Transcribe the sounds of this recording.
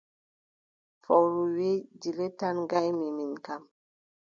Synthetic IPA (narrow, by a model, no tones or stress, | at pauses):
fɔwɾuwed͡ʒiletanɡajmiminkam